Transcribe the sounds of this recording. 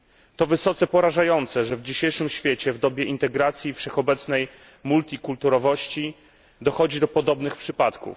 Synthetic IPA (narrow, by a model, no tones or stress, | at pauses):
t̪ɔvɘsɔt̪sɛpɔɾaʐajɔnt̪sɛʐɛvd͡ʑiɕejʂɘmɕfʲjet͡ɕɛvd̪ɔbʲjɛʔint̪ɛɡɾat̪sʲjifʂɛxɔbɛt̪snɛj | mult̪ʲikult̪uɾɔvɔɕt͡ɕi | d̪ɔxɔd͡ʑid̪ɔpɔd̪ɔbnɘxpʂɘpat̪kṵf